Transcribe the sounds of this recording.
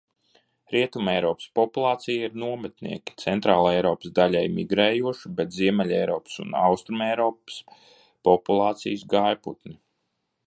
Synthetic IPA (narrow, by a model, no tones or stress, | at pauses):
ɾiɛt̪umɛjɾɔːpspɔpulˠɑːt̪sijaiɾnuɔmɛt̪nḭɛkʲi̥t̪sɛnt̪ɾaːlˠaɛjɾɔːpsd̪alʲajmiɡɾɛːjuɔʃibet̪ziɛmɛlʲɛjɾɔːpsṵna̰wst̪ɾumɛjɾɔːps | pɔpulˠɑːt̪sḭjəsɡajpṵt̪ni